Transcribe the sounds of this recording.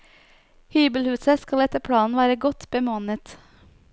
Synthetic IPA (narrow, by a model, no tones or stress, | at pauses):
hyːbəlhʉːsəskɑlɛt̪əpʰɽɑːnn̩ʋæːɾəɡɔt̪bəmoːnət̪